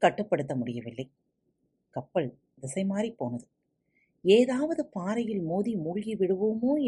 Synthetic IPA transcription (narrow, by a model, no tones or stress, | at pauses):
kɐʈːɯpːɐɽɯt̪̬ːɐmʊɽɪjɐʋɪlːɐɪ | kɐpːɐɭ | dɪsɐɪmaːɾipːoːnɐðɯ | eːðaːʋɐðɯpaːɾɐjɪlmoːðimuːɭɣiʋɪɽɯʋoːmoː